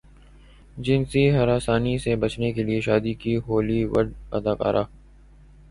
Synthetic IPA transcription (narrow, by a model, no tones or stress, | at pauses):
d͡ʒɪnsiɦɐɾaːsaːnisebɐt͡ʃnekelieʃaːd̪ikiɦoːliʋɐ̰ɖɐd̪aːka̰ːɾʔaː